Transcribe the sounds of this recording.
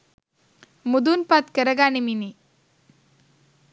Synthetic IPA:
mud̪unpat̪kəɾɐɡaːnimini

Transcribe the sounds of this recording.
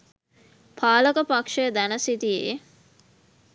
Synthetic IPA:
pʰaːləkəpakʂəd̪ænəsit̪ijḛ

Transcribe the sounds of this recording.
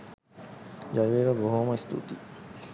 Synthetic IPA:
jajʋeːʋəboɦoːmɐist̪ṵt̪i

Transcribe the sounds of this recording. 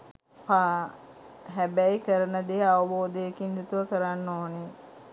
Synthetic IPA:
pa | ɦæbæjkəɾənəd̪eɦaʋəboːd̪eekind̪ut̪uʋəkəɾanːoːne

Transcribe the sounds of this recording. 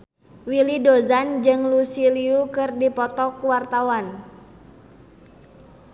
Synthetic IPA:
wilidozand͡ʒɨŋlusiliukɨrdipɔt̪ɔkuwart̪awan

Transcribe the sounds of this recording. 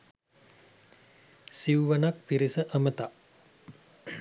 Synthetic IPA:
siuʋanak̚piɾisəʔəmət̪a

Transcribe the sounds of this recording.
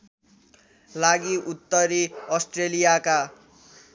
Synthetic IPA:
laɡiʔut̪ːʌɾiʌsʈrelijaka

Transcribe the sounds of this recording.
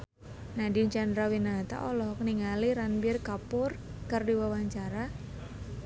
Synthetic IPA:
nadiɲt͡ʃandɾawinat̪a̰ʔɔlɔhkniŋaliɾanbɪrkapʊrkərdiwawaɲt͡ʃaɾa

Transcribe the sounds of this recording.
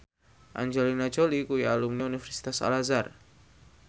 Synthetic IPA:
ʔa̰ɲd͡ʒolinḁʒ̥olikujalumniunifɛrsi̥t̪asa̰lazar

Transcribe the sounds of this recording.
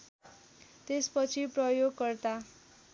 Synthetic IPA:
t̪espʌt͡sʰiprʌjoɡkʌrt̪a

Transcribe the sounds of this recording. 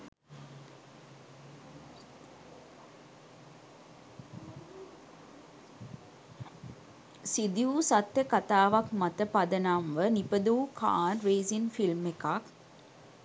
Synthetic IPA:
sid̪iuːsat̪ːjəkat̪aːʋakmat̪əpad̪ənamʋənipəd̪uːkʰa̰ːnʋeːzinfilmekak

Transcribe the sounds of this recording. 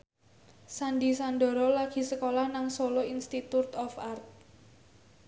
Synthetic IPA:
sandisanɖɔ̤ɾɔlaɡ̥i̤səkolahnaŋsoloinst̪it̪ut̪ɔfart̪̚

